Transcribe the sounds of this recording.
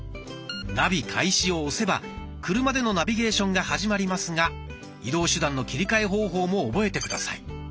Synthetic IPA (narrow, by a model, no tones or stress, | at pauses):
nabʲikʰaiɕio̞ːse̞ba | kɯ̟ɾɯ̟mad̪e̞no̞nabʲiɡe̞ːɕõ̞ŋɡahaʑimaɾʲimasɨŋa | id̪o̞ːɕɨd̪ãnːo̞kʲiɾʲikaeɦo̞ːɦo̞ːmo̞ːbo̞e̞t̪e̞kɯd̪asa̰i